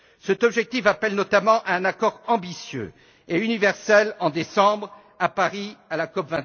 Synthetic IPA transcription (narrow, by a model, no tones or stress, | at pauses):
sɛt̪ɔbʒɛk̚t̪ifapɛlnɔt̪amɑ̃ʔaɛ̃nakɔʁɑ̃bisjø̰ | eynivɛʁsɛlɑ̃d̪esɑ̃bʁ | apaʁialakɔpvɛ̃